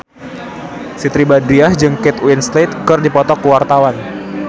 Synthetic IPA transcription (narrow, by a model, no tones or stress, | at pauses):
sit̪ɾibadiahd͡ʒɨŋkɛt̪winslet̪̚kɨrdipɔt̪ɔkuwart̪awan